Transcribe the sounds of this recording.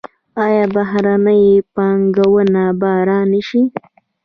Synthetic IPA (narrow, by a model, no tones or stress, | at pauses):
ɑjɑbaɦɾanəjpɑŋɡawənabɑɾɑnəʃi